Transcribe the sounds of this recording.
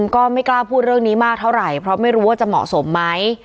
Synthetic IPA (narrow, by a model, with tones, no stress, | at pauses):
mkɔː˥˩ma˥˩jklaː˥˩pʰuː˥˩t̪̚ɾɯ˥˩əŋniː˦˥maː˥˩k̚t̪ʰa˥˩wɾa˨˩jpʰɾɔ˦˥ma˥˩jɾuː˦˥waː˥˩t͡ɕa˨˩mɔ̰˨˩ʔso˩˦mːa˦˥j